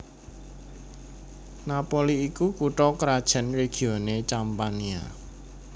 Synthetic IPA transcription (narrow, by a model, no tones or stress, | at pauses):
napoliikukuʈɔkɾad̥ʒ̥ə̤nreɡ̥i̤onet͡ʃampania̰